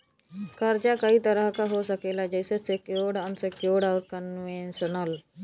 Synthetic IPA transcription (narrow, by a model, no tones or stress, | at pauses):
kɐɾd͡ʒakɐit̪əɾəɦkaɦosəkeːlad͡ʒəɪsesekjoːɽənsekjoːɽaːɾkənʋẽnʃənəl